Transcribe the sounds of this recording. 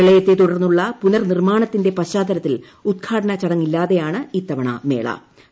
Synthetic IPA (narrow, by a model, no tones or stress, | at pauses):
ɐɭɐjɐt̪ːet̪uɽɐrnːuɭːɐpunɐrnirmaːɳɐt̪ːinde̞pɐɕaːd̪ɐɾɐt̪ːil | ud̪̚ɡʰaːɖɐnɐt͡ɕɐɽɐŋːilːaːðe̞jaːɳɨiːt̪ːɐʋɐɳɐ̰me̞ːɭɐ̰